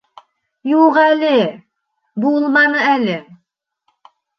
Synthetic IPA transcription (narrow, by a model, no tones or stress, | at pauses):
juʁælɘ | bulˠmɑnɤælɘ